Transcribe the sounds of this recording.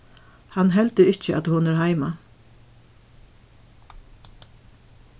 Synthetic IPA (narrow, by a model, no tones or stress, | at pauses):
hanɦɛlt̪ʏɾɪht͡ʃəʔa̰t̪hʊnɛɾɦaɪma